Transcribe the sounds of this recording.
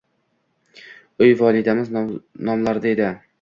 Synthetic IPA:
ʊjvɒlˠɪd̪amɪznɒmlaɾd̪aed̪ɪ

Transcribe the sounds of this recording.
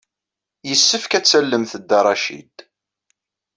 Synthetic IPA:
jəsːəfkæt͡sːælːəmθəd̪ːɑɾˤɑʃḭd̪

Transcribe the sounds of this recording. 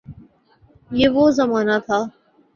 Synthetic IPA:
jeːʋoːzəmaːnat̪ʰaː

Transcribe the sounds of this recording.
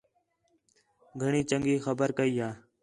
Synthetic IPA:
ɡʱəɳiːt͡ʃəŋɡiːxəbəɾkəiːɦaː

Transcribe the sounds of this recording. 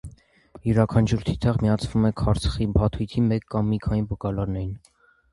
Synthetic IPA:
juɾɑkʰɑnt͡ʃʰuɾt̪ʰit̪ʰɑʁmijɑt͡sʰvumɛkʰɑɾt͡sʰə̥χibɑt̪ʰujt̪ʰimɛkːɑmːikʰɑnibukɑlɑɾnɛɾin

